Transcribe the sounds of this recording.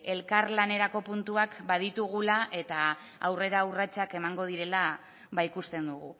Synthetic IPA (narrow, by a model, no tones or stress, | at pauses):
e̞lkaɾlane̞ɾako̞punt̪uakbað̞it̪uɣ̞ulaʔe̞t̪aː | wre̞ɾaurat͡ʃake̞maŋɡo̞ð̞iɾe̞la | βajkust̪e̞nd̪uɣṵ